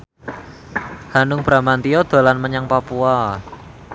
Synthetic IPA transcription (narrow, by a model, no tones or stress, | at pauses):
hanʊŋb̥ɾa̤mant̪iɔd̪̥a̤lanməɲaŋpapua